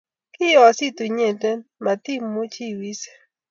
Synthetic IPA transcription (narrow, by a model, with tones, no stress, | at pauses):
kɪ˦ɔ˨si˦tu˨ɲe˨te˦nma˨t̪i˦˨mːu˦t͡ʃi˦˨wi˦se̥˨